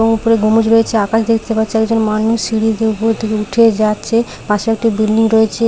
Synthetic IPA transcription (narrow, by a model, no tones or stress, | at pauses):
oŋupoɾeɡomud͡ʑɾoet͡ɕʰeakaʃd̪ek̚ʰt̪epat̪ːʰeɛɡd͡ʑonmanuʃsiɽid̪eupoɾt̪ʰekeuʈʰed͡ʑatːɕʰe | pãʃeɛk̚ʈibilɖiŋɾoet͡ɕʰe